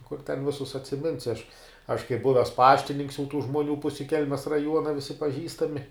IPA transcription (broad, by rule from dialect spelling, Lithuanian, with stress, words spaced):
kʊr tʲɛn ˈʋʲɪsʊs ɐtʲsʲɪˈmʲɪnʲsʲɪ ɐʃ ɐʃ kɐɪp ˈbʊʋʲɛs ˈpɑːʃʲtʲɪnʲɪŋks jɛʊ tuː ʒmuɔˈnʲuː ˈpʊsʲɪ ˈkʲɛlʲmʲɛs rɐˈjuɔnɐ ˈʋʲɪsʲɪ pɐˈʒʲiːstɐmʲɪ